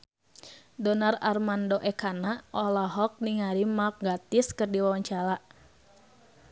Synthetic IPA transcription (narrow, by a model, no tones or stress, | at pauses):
dɔnararmandoʔɛkanaʔɔlaɦɔk̚niŋaɾimak̚ɡat̪iskɨrdiwawaɲt͡ʃala